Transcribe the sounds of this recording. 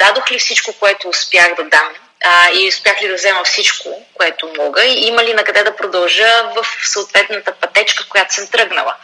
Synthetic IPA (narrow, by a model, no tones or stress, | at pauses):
d̪̥ad̪oxlifsit͡ʃkokoɛt̪oːspjaɣd̪ɐd̪am | iʊspʲjaxlid̪ɐvzɛmɐfsit͡ʃkokoɛt̪omɔɡəiiməlinɐkɐd̪ɛd̪ɐpɾod̪ɐlˠʒəvəfsəʊt̪vɛt̪nət̪əpɐt̪ɛt͡ʃkəkojat̪o̥səmt̪ɾɤɡnə̰lˠə̰